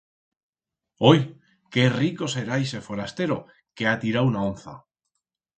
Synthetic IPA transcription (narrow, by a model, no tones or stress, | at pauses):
oj | ke̞riko̞se̞ɾajsefo̞ɾast̪e̞ɾo | keat̪iɾawunaonθa̰